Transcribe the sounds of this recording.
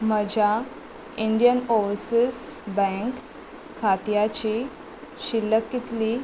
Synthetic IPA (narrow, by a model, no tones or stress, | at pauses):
məd͡ʑʱja | iɳɖijənoʋsisbɛ̃ŋkʰː | at̪jat͡ɕi | ɕilːəkːit̪liː